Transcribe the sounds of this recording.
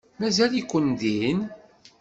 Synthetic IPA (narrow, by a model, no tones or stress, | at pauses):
mæzælikʷːənd̪in